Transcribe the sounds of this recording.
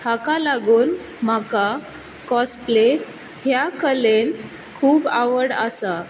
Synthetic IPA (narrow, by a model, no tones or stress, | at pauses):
hakalaɡuːn | m̤aka | kɔsple | ɦjakəlent̪ | kʰuːbaʋəɽə̰sa